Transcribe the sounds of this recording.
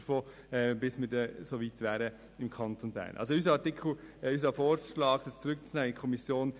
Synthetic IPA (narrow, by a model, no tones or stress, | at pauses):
foː | b̥ɪsmɪdɛsoʋiːtʋæːɾə | ɪmkʰɑnt̪onbæ̰ːɾnʔɑ̰ls̬oys̬əɑtɪkʰl̩ysɑfoːɾʃlɑːɡd̥əst͡suɾʏk̚t͡snɛːɪkʰɔmisjoːn